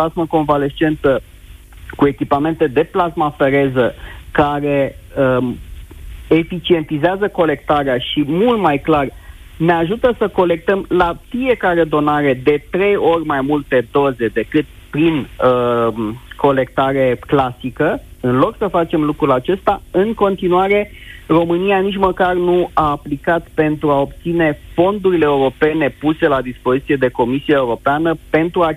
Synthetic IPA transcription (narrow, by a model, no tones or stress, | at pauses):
pasməko̞nvale̞st͡ʃe̞nt̪ə | kue̞kʲipame̞nt̪e̞d̪e̞plasmafe̞ɾe̞zəkaɾe̞ə | efit͡ʃie̞nt̪izeazəko̞le̞k̚t̪aɾeaʃimult̪majklar | ne̞aʒut̪əsəko̞le̞k̚t̪əmlafie̞kaɾe̞d̪o̞naɾe̞d̪e̞t̪ɾe̞jo̞rʲmajmult̪e̞d̪o̞ze̞d̪e̞kɨt̪̚pɾin | ko̞le̞kt̪aɾe̞klasikəɨnlo̞ksəfat͡ʃe̞mlukɾulat͡ʃe̞st̪aɨŋko̞nt̪inuaɾe̞ro̞mɨnianit͡ʃməkarnuaːplikat̪pe̞nt̪ɾuao̞p̚t̪sine̞fo̞nd̪uɾile̞ːuɾo̞pe̞ne̞puse̞lad̪ispo̞zit̪sije̞d̪e̞ko̞misiaeuɾo̞peanəpe̞nt̪ɾua